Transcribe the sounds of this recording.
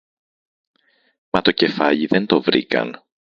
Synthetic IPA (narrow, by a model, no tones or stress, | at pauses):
mɐt̪o̞ce̞fɐʎiðe̞nt̪o̞vɾḭkɐ̰n